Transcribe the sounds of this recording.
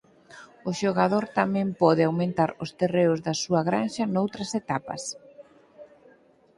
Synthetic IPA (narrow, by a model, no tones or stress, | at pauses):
ʊʃoɣaðoɾt̪amɛ̃mpɔðɪawmẽnt̪aɾʊst̪ereʊzðɐsuɐɣɾanʃɐnowt̪ɾɐset̪apɐ̰s